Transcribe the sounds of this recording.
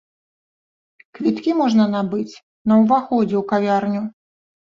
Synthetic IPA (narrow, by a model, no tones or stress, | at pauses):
kvʲit̪kʲimɔʐnɐnabɨt͡sʲ | nɐwvaxɔd͡zʲɛwkavʲarnʲu